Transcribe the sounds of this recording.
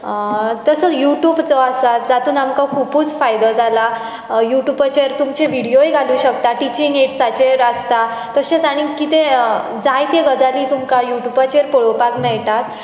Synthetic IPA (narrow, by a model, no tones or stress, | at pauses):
t̪əsəjuʈjuːbt͡sɔasat̪d͡zat̪uːnamkakʰupuːt͡sfajd̪əd͡zala | juʈjuːbət͡ɕeɾt̪umt͡ɕeʋiɽijoeɡʱaluːɕəkt̪aʈit͡ɕiŋɡeʈsat͡ɕeɾəst̪at̪əɕẽt͡saɽ̃ikit̪ẽ | d͡zajt̪eɡəd͡zaliːt̪umkajuʈjubat͡ɕeɾpɔɭopakmɛɭʈ̪at̪̚